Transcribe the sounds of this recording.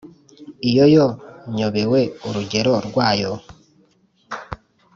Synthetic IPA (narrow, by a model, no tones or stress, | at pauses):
ijojoɲoβewe̞uɾuɟe̞ɾo̞ɾɡwaːjo